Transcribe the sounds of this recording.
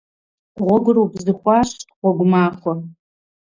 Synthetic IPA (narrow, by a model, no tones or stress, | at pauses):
ʁʷɔɡʷʊɾuːbzɨxʷɑːɕʼʁʷɔɡʷʊmaːχʷɔ